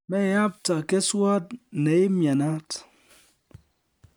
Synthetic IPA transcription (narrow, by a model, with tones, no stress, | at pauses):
me˦˨ja˦p̚ta˨ke˦swɔ˦t̩˨ne˨i˦mja˨na˦t